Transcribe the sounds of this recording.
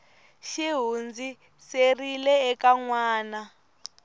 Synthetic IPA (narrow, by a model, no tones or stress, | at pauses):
ʃiɦund͡zi | serilɛːkaŋwaːna